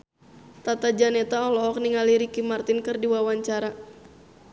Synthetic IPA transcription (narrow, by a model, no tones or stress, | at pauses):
t̪at̪ad͡ʒanɛt̪aɔlɔːk̚niŋaliɾikimart̪ɪnkɨrdiwawaɲt͡ʃaɾa